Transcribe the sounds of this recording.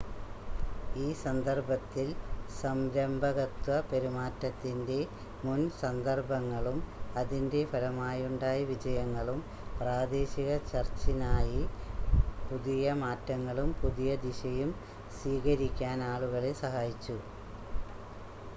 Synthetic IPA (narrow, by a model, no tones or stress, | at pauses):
iːsɐnd̪ɐrbɐt̪ːilsɐmɾɐmbʱɐɣɐt̪wɐpe̞ɾumaːtːɐt̪ːinde̞ | munsɐnd̪ɐrbɐŋːɐɭumɐðinde̞fʰɐɻɐmaːjuɳɖaːjiʋid͡ʑɐjɐŋːɐɭum | praːd̪e̞ːɕiɣɐt͡ɕɐrt͡ɕːinaːji | puðijɐmaːtːɐŋːɐɭumpuðijɐd̪iɕɐjum | siːɣɐɾikʲːaːnaːɭuɣɐɭesɐɦaːjit͡ɕːu